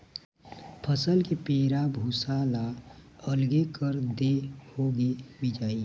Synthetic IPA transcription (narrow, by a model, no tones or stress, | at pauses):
pʰəsəlkepeːɾabʱusaːlaəlɡekəɾd̪ehoɡebid͡ʒaːi